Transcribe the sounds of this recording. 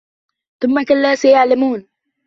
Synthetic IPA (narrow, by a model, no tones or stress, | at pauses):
θʊmːakalːaːsajaʕlamuːn